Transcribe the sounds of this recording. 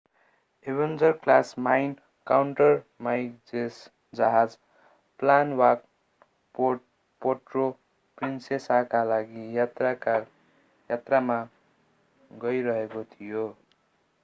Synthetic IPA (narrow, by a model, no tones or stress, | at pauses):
ebend͡zʌrklasmajn | kawɳʈʌrmajd͡zes | d͡zʌɦad͡z | planwak̚ | po | poʈro | prinsesakalaɡiraa | jat̪rama | ɡʌjɾʌɦekot̪ʰijo